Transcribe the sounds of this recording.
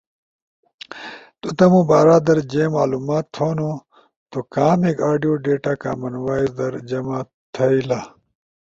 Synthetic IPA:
t̪ut̪ɐmũːbaːɾaːd̪ɐɾd͡ʑeːmaːluːmaːt̪ːʰoːno | t̪okaːmekaːɖijoːɖeːʈaːka̰ːmɐnwaːizd̪ɐɾd͡ʑɐmaː | t̪ʰɐila

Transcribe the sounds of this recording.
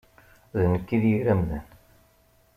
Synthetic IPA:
ðnəkːiðjiɾæmðæ̰n

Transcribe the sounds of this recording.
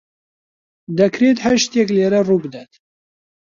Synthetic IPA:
d̪ɛkʰɾet̪haʃt̪jɛkleːɾɛruːbɨd̪ɛt̪

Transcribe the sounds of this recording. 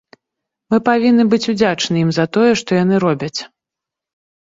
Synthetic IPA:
mɨpavʲinːɨbɨt͡sʲud͡zʲat͡ʂnɨjimzɐt̪ɔjɛʂt̪ɔjanɨɾɔbʲɐt͡sʲ

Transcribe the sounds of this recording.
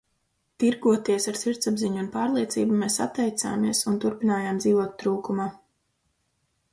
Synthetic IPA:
t̪iɾɡuɔt̪iɛsaɾsiɾt̪sabziɲunpaːɾlˠiɛt̪siːbumeːsa̰t̪ːɛjt̪sa̰ːmiɛsunt̪uɾpinaːjaːmd̪ziːvuɔt̪̚ːɾuːkumaː

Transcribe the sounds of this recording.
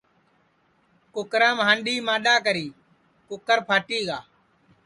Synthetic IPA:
kʊkɾãːmɦãːnɗiːmãːɗaːkəɾiː | kʊkəɾpʰaːʈiːɠaː

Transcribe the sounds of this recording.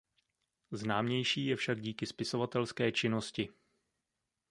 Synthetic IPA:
znaːmɲɛjʃiːjɛfʃaɡɟiːkɪspɪso̞vat̪ɛlskɛːt͡ʃɪno̞scɪ

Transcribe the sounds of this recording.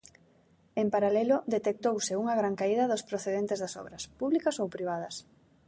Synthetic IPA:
empaɾalɛlʊd̪et̪ek̚t̪owsɪuŋɐɣ̞ɾaŋkaiðɐðʊspɾoθeðent̪ezðɐsɔ̰βɾɐspuβlikɐsowpɾiβ̞að̞ɐs

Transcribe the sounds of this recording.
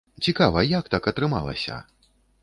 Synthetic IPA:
t͡sʲikavɐjak̚t̪akɐt̪ɾɨma̰lˠɐ̰sʲɐ̰

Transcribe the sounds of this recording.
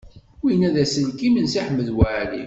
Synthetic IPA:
winæðæsəlkimənsiħmːəðwaʕlḭ

